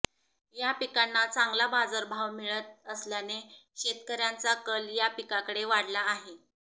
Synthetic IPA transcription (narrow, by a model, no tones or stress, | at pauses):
japikanːat͡saŋɡlabad͡zəɾbʱaʋmiɭət̪̚əsljaneɕet̪kəɾjant͡sakəljapikakəɽeʋaɽlaːɦe